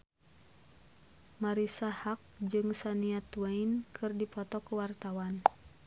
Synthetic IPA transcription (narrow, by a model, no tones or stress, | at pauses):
maɾisahak̚d͡ʒɨŋsaniat̪wainkʰɨrdipɔt̪ɔkuwart̪awan